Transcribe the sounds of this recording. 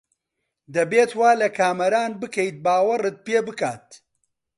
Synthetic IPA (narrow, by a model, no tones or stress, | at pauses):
d̪ɐbeːt̪waːlɐkʰaːmɐɾaːnbɨkɐjt̪̚baːwɐrɨt̪̚peːbɨkaːt̪̚